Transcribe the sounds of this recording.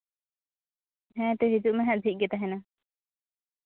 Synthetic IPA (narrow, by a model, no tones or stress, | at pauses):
ɦɛ̃t̪ɛɦid͡ʒuʔmɛ̃ɦɛ̃ʔd̪ʱiʔ̚ˀɡɛt̪aɦɛna